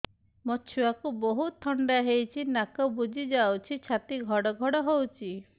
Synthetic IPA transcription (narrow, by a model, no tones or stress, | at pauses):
mɔt͡ʃʰuakuboɦut̪ʰːɔɳɖaɦejt͡ʃʰinakɔbud͡ʒʱid͡ʒawt͡ʃʰit͡ʃʰat̪iɡʱɔɽɔɡʱɔɽɔɦowt͡ʃʰi